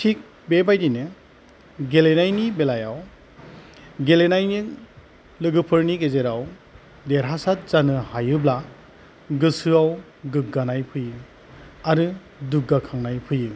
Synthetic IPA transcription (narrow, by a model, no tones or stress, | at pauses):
tʰik̚ | bebajdinɯ | ɡelenajnibelajaw | ɡelenajni | lɯɡɯpʰɯɾniɡezeɾaw | deɾɦasat̚zanɯhajɯbla | ɡɯsɯaw | ɡɯɡanajpʰɯjɯ | aɾɯ | duɡakʰaŋnajpʰɯjɯ